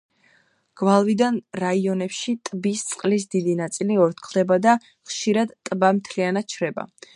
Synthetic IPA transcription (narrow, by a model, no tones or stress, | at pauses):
ɡ̥valˠvid̪anɾaiɔnɛpʃit̪ʼbist̪sʼqʼlis̬d̪id̪inat̪sʼiliɔɾt̪̚ʰkʰlˠd̪ɛbad̪a | χʃiɾad̪t̪ʼbamt̪ʰlianat̪̚t͡ʃʰɾɛba̰